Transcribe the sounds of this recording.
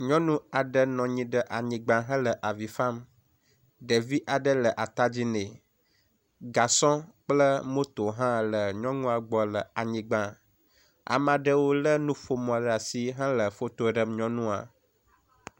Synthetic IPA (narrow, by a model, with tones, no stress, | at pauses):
ɲɔ̃˦nũ˦a˨ɖə˦nɔ̃˨ɲĩ˦ɖə˦ʔa˨ɲĩ˨ɡ͡bã˨ɦə̃˦lə˨ʔa˨vi˨fã˦m | ɖə˨vi˦ʔa˨ɖə˦lə˨ʔa˨t̪a˦d͡ʑi˦nẽ˨ | ɡa˨sɔ̃˦k͡plə˦mo˦t̪o˨ɦã˦lə˨ɲɔ̃˦ŋũ˦a˨ɡ͡bɔ˨lə˨a˨ɲĩ˨ɡ͡bã˦ | a̰˨mã˨ɖə˦wo˦lə˦nũ˦fo˦mɔ̃˨ɖa˨si˦ɦã˦lə˨fo˦t̪o˦ɖə˨mɲɔ̃˦nũ˦a̰˨